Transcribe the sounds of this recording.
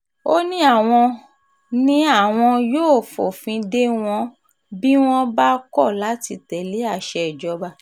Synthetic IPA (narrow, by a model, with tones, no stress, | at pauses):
o˦nĩ˦a˦˨w̃ɔ̃˧ | nĩ˦a˦˨w̃ɔ̃˧joː˦˨fo˨fĩ˧de˦w̃ɔ̃˧ | bi˦w̃ɔ̃˦ba˦kɔ˦˨la˨˦ti˧tɛ˨le˨˦a˦˨ʃɛ˨d͡ʒɔ˧ba˧